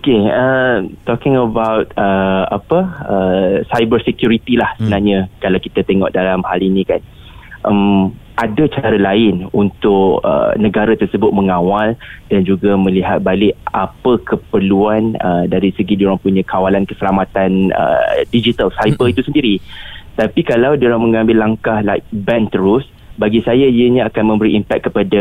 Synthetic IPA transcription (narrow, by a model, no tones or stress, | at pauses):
okeət̪ɔkɪŋəbawt̪̚əa̰pəəsajbərsekjuɾit̪ilahsəbənarɲãkalawkit̪at̪eŋɔ̰ʔdalamhalinĩkan | ʔəm | ʔadat͡ʃaɾalaɪnunt̪ʊʔə̰nəɡaɾat̪ərsəbʊt̪̚mə̃ŋawaldand͡ʒuɡamə̃liɦat̪̚balɪʔapəkəpərluanə̰daɾisəɡidioɾaŋpuɲãkawalankəsəlamat̪anə̰did͡ʒit̪alsajbəit̪usəndiɾit̪apikalawdioɾaŋmə̃ŋãmbɪlːaŋkahlabɛnt̪əɾʊs | baɡisajaiəɲãakanmə̃mbəɾiʔimpɛt̪̚kːəpada